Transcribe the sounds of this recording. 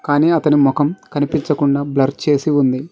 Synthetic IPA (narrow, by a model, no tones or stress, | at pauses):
kaːniːɐt̪ɐnimɔkɐmkɐnipiɲt͡ʃɐkuɳɖaːblɐɾt͡ʃe̞ːsiund̪i